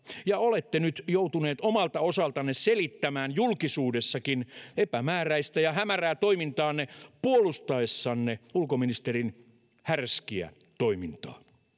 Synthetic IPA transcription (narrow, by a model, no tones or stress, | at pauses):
jɑolet̪ːenyt̪jout̪uneːt̪omɑlt̪ɑosɑlt̪ɑnːesselit̪ːæmæːnjulkisuːdesːɑkinepæmæːræist̪æjɑhæmæræːt̪oimint̪ɑːnːepuolust̪ɑesːɑːnːeulkominist̪erin | hærskiæ̰ | t̪oimint̪ɑ̰ː